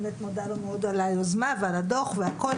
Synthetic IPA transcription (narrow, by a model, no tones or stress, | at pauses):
met̪mod̪aɾomeod̪alajozmavalad̪oχveako